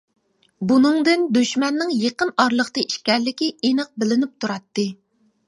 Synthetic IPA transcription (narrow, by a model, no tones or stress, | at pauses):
bunɨŋd̪ɪnd̪yʃmɛnːɪŋjeqənɑɾlˠəχt̪ɨiʃkʲɛɾlɪkʲiinɨq̚bɪlɪnyp̚t̪ʰuɾɑt̪ːɨ